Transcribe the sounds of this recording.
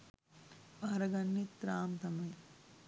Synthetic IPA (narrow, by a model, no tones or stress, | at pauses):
ʋaːɾɐɡɐnːit̪ɾaːmt̪ɐmɐj